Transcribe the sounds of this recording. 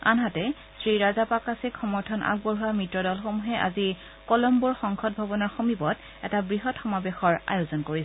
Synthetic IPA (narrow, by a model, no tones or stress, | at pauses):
a̰nɦatɛ | sɹiɹazapakasekʰɔmɔɹtʰɔnʔa̰ɡ̚bɔɹɦuamɹitɹɔdɔlxomuɦɛʔa̰zi | kɔlɔmbuɹxɔŋkʰɔt̚bʱabɔnɔɹxomibɔt | ɛtabɹiɦɔtxɔmabexɔɹa̰jozɔnkoɹisɛ